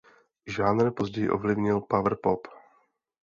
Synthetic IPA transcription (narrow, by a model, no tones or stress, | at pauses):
ʒaːnɾpo̞zɟɛjɪʔo̞vlɪvɲɪlpavr̩pop